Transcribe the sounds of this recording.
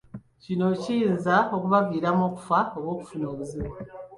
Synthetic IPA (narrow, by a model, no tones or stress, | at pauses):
cino̞cijinzao̞kuβaviːɾamo̞ːku̥faowwo̞ːku̥funoːβuzima